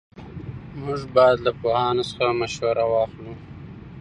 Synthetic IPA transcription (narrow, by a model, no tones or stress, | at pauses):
mʊʐbɑjad̪lapohɑnosə̥xamaʃwaɾawɑxlu